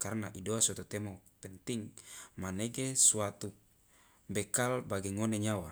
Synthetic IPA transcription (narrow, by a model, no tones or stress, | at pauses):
karnaʔidoasɔt̪ut̪ɛmɔpɛnt̪iŋmaneɡesuat̪u | bɛkalbaɡeŋoneɲawa